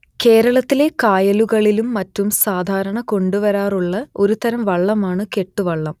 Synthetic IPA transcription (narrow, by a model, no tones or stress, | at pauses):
ke̞ːɾɐɭɐt̪ːile̞kaːjɐluɣɐɭilumːɐtːumsaːd̪ʱaːɾɐɳɐko̞ɳɖuʋɐɾaːruɭːɐo̞ɾut̪ɐɾɐmʋɐɭːɐmaːɳɨke̞ʈːuʋɐɭːɐm